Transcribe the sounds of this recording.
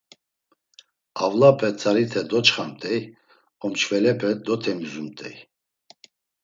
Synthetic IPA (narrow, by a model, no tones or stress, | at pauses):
avlapʰɛt͡sʰaɾit̪ʰɛd̪ɔt͡ʃχamt̪ʼɛj | ɔmt͡ʃʰvɛlɛpʰɛd̪ɔt̪ʰɛmizumt̪ʼɛ̰j